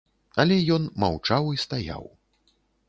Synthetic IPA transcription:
ɐlʲɛjɔnma̰wt͡ʂawist̪aja̰w

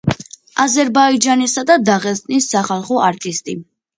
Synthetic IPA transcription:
azɛɾbaid͡ʒanisad̪ad̪aʁɛst̪ʼnisːaχalˠχɔʔaɾt̪ʼist̪ʼi

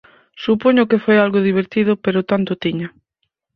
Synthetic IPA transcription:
supoɲʊkefojalɣoðiβ̞eɾt̪iðʊpeɾʊt̪ant̪ʊt̪iɲɐ

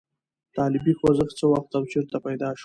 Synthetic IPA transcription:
t̪ɑːlɪbixozəxt͡səwaxt̪awt͡ʃiɾt̪apajd̪ɑʃ

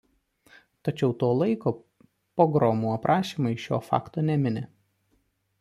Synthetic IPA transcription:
t̪ɐt͡ʃʲɛʊt̪oːlˠɐɪkoː | poːɡɾɔmuɐpɾʔɑːʃʲiːmɐɪʃʲo̰ːfɑ̰ːkt̪oːnʲɛmʲɪnʲɪ

